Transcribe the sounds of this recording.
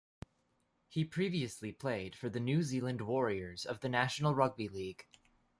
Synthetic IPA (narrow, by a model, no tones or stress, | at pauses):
hipʰɹ̥iviɨslipʰl̥eɪd̥fə˞ðɨnʉzilˠɨ̃nd̚wɔɹiə˞zʌvðɨnæʃn̩l̩ˠɹʌɡ̚biliɡ̥